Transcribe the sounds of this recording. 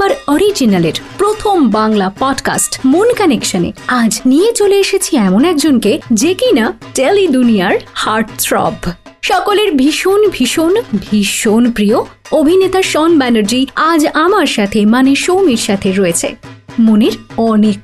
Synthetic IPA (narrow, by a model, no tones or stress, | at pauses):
baɾɔɾid͡ʑinaleɾpɾot̪ʰombaŋlapɔɖka̰sʈmonkanekʃanḛad͡ʑnijet͡ɕoleeʃet͡ɕʰiɛmonɛkd͡ʑonked͡ʑekina | ʈelidunijaɾhaɾʈtɾɔ̰b | ʃɔkoleɾbʱiʃonbʱiʃonbʱiʃonpɾioobʱinet̪aɾʃɔnbɛneɾd͡ʑiad͡ʑamaɾʃat̪ʰemaneʃowmiɾʃat̪ʰeɾɔet͡ɕʰḛmoneɾɔnek̚